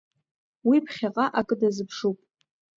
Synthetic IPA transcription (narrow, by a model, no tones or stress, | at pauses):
wipʰχʲaqʼaʔakʼɨdazɨpʰʂupʼ